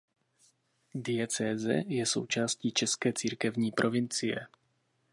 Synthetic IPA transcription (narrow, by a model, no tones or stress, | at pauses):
dɪjɛt͡sɛːzɛ̰jɛso̞̰wt͡ʃaːsciːt͡ʃɛskɛːt͡siːɾkɛvɲiːpɾʔo̞vɪnt͡sɪjɛ̰